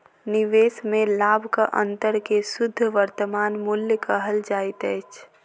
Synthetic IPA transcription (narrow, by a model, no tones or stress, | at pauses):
nɪʋeːsmẽlaːbʱkaʔə̰̃nt̪əɾkesʊd̪ʱːʋəɾt̪əmaːnmʊljkaɦəld͡ʒaːit̪ɛːt͡ʃʰ